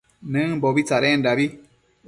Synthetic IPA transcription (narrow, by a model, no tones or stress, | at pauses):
nɨŋbɔbit͡saɾɛn̩dabi